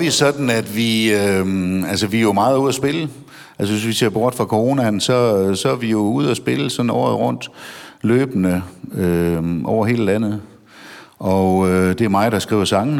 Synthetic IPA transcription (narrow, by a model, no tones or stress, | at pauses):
ʋisɒ̽d̥n̩æd̥ʋiøælsəʋijo̝mɑ̈ːð̞̩ˠuð̞̰ˠæsb̥e̝lə | æls̬əʋe̝sʋise̝ɐ̰b̥ɒːd̥fʁɑ̈kʰo̝ʁo̝ːnænsɒ̽sɒ̽æʋijo̝uð̞̰ˠæsb̥e̝ləsɒ̽n̩ɒ̰ːðˠʁɔ̽n̰d̥løːb̥nəøʔɒʊ̰ɐɦe̝̰ːld̥ænð̩ˠ | ɒ̽ød̥e̝æɐmɑ̈ɪd̥ɑ̈sɡ̥ʁḭːʊɐsɑ̈ŋn̩